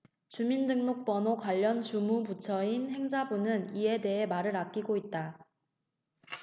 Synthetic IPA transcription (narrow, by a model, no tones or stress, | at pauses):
t͡ɕumindɯŋnok̚p͈ʌnokwaʎːʌnt͡ɕumubut͡ɕʰʌinhe̞ŋd͡ʑabunɯnie̞de̞ɦe̞maɾɯɾak̚k͈iɡoit̚t͈a